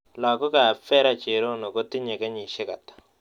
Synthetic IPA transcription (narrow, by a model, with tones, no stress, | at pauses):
laː˨ko˦ka˨fɛ˦ɾa˦t͡ʃe˨ɾo˦no˨ko˦t̪i˦ɲe˨ka˦ɲi˨ʃe˦ka̰˨t̪ḁ˨